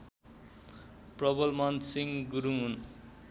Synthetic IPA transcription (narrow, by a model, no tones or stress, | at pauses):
prʌbʌlmʌnsiŋɡuɾuŋɦun